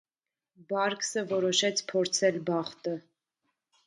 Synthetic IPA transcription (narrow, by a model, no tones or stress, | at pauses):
bɑɾksəvɔɾɔʃɛt͡sʰpʰɔɾt͡sʰɛlbɑχt̪ə